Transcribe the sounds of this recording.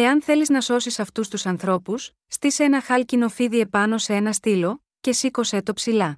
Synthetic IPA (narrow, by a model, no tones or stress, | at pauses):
e̞ɐnθe̞liznɐso̞sisɐft̪ust̪usɐnθɾo̞pusːt̪iseenɐxɐlcino̞fiðie̞pɐno̞see̞nɐst̪ilo̞ | ce̞siko̞set̪o̞psilɐ